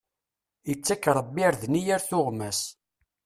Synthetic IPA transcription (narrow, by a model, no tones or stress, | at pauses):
jət͡sːækːɾˤəbːiɾðnijæɾθʊʁmæs